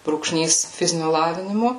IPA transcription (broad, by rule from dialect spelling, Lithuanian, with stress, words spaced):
bruːkˈʃʲnʲiːs ˈfʲɪzʲɪnʲʊ ˈlˠɑːʋʲɪnʲɪmʊ